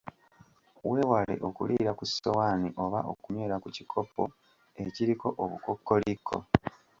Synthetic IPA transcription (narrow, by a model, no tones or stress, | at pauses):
we̞ːwale̞̰ʔokuliɾakusowaniʔo̞βaʔo̰kumweːɾakucikʰo̞pːo | e̞ciɾiko̞ʔoβuko̞kːo̞likʰːo̞̰